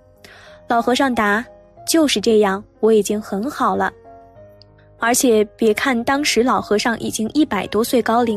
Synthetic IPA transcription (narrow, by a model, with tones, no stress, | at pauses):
lɑ˨˩ʊxɤ˧˥ʂɑ˥˩ŋt̪a˧˥ | t͡ɕjo˥˧ʊʂɻ̩˥˧ʈ͡ʂɤ˥˧jɑ˥˩ŋwɔ˧˥i˨˩t͡ɕi˥ŋxə˧˥nxɑ˨˩ʊlə˦ | ə˞˧˥t͡ɕʰjɛ˨˩˦pjɛ˧˥kʰa˥˩nt̪ɑ˥ŋʂɻ̩˧˥lɑ˨˩ʊxɤ˧˥ʂɑ˥˩ŋʔḭ˨˩t͡ɕi˥ŋʔi˥˩pa˨˩ɪt̪wɔ˥swe˥˩ɪkɑ˥ʊli˧˥